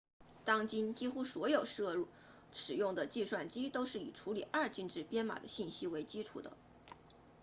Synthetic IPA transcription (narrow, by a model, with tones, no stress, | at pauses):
t̪ɑ˥ŋt͡ɕi˥nt͡ɕi˥xu˥swɔ˧˥jo˨˩ʊʂɤ˥˧u˥˩ | ʂɻ̩˨˩jʊ˥˩ŋd̪ə˩t͡ɕi˥˧ʂwa˥˩nt͡ɕi˥t̪o˥ʊʂɻ̩˥˩ḭ˨˩ʈ͡ʂʰu˧˥li˨˩ʔɐ˞˥˧t͡ɕi˥˧nʈ͡ʂɻ̩˥˩pjɛ˥nma̰˨˩d̪ə̰˦ɕi˥˩nɕi˥we˧˥ɪt͡ɕi˥ʈ͡ʂʰṵ˨˩d̪ə̰˦